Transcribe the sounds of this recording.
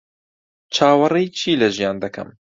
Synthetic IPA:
t͡ʃʰaːwɐrejt͡ʃʰiːlɐʒijaːnd̪ɐkʰɐ̰m

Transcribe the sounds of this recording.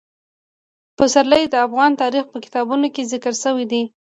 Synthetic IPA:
pəsaɾləjd̪əafɣɑnt̪ɑɾixpəkɪ̥t̪ɑbunokezɪkəɾsəwid̪i

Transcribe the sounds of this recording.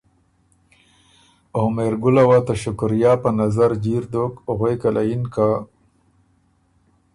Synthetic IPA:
ohmeɾɡʊlawat̪aʃʊkɾjɑːpənazaɾd͡ʒiɾd̪okʊɣejkalajinka

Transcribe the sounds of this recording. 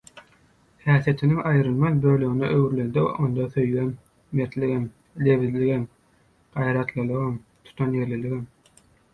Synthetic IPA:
hæːθije̞t̪ʰiniŋɑjɾɯlˠmɑnbøːløɣineʔøwɾlend̪ḛʔond̪ɑθøjløn | meɾt̪liɣem | le̞βizliɣem | ɢ̥ɑjɾɑt̪lˠɯlˠɯʁɑmt̪ʰu̥t̪ʰɑnje̞ɾliliɣem

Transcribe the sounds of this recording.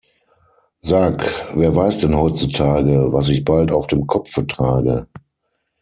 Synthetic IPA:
zaːkveːɐvaɪsd̥ɛnhɔʏt͡sutʰaːɡəvas̬ɪçb̥altaʊfd̥eːmkʰɔpp͡fətʁ̥aːɡə

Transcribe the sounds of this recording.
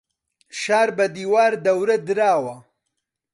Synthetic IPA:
ʃaːɾbɐd̪iːwaːɾd̪ɐwɾɐd̪ɨɾaːwɐ

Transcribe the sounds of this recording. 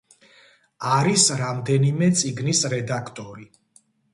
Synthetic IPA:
aɾisɾamd̪ɛnimɛt̪sʼiɡnisɾɛd̪akʰt̪ʼɔɾi

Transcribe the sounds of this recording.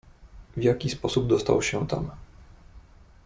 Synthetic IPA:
vʲjakʲispɔsubd̪ɔst̪a̰wɕɛt̪a̰m

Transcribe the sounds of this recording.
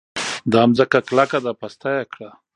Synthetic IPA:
d̪ɑmzəkaklakad̪apast̪ajakɽa

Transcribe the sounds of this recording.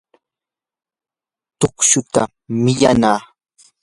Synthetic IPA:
t̪ʊkʃʊt̪a | mɪʎanaː

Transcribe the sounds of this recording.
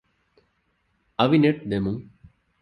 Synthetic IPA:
ɐʋineʈ̚d̪emum

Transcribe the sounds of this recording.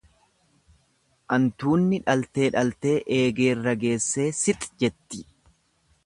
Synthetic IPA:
ʔɐnt̪uːnːɪᶑɐlt̪e̞ːᶑɐlt̪e̞ːʔeːɡe̞ːrːɐɡe̞ːsːe̞ːsɪt̪ʼd͡ʒɛt̪ːɪ̥

